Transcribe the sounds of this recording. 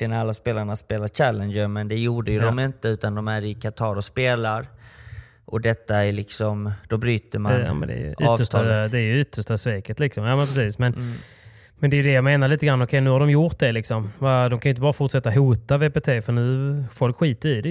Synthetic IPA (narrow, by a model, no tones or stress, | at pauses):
lɪənalːaspeːlaɳaspeːlaɕælənd͡ʒəɾmɛnd̪ɛjuːɖəjɵd̪ɔmɪnt̪əʉ̟ːt̪and̪ɔmæɾɪkʰat̪ʰɑːɾɔspeːlaɾ | ʔɔd̪ɛt̪ːaæɭɪksɔmd̪̥ɔbɾyːt̪əmanɑ̰ːmɛ̰nd̪ɛ̰j̰ʏtːvːəʂt̪ʰd̪ɛæɾjɵʏt̪ʰːəʂʈasveːkət̪lɪksɔmjɑːmɛnpʰɾɛsiːsmɛn | mɛnd̪ɛjɵd̪ɛjameːnaɾɭiːt̪əɡɾanːɔkʰɛjnʉhaɖɔmjʊt̪̚d̪ɛlɪksɔmvad̪ɔmkʰajʏɪnt̪̬bɑːɾafʊʈʂɛt̪ːaɦuːt̪aveːpet̪ʰeːfœɳʉ̟ːfɔlkɧiːt̪əɾɪd̪ɛ